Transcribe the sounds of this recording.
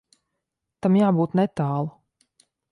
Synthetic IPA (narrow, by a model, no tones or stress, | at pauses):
t̪amjaːbuːt̪nɛt̪aːlˠa